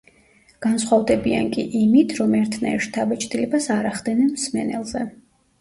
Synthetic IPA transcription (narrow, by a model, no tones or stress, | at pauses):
ɡ̥ansχwavd̪ɛbia̰nkʼiʔimit̪ʰɾɔmɛɾt̪ʰnaɛɾʃt̪ʰabɛt͡ʃʼt̪ʼilɛbasaɾaχd̪ɛnɛnmsmɛnɛ̰lˠzɛ